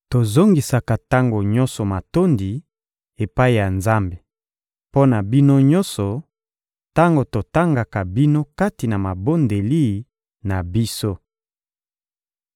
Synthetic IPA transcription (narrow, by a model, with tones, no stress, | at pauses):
to˨zo˦ŋɡi˨sa˨ka˨ta˦ŋɡo˨ɲɔ̃˦nsɔ˨ma˨to˦ndi˨ | e˨pa˦i˨ja˨nza˦mbe˨ | po˦na˨bi˦no˦ɲɔ˦sɔ˨ | ta˦ŋɡo˨to˨ta˦ŋɡa˨ka˨bi˦no˦ka˦ti˨na˨ma˨bo˦nde˨li˦˨ | na˨bi˦so˦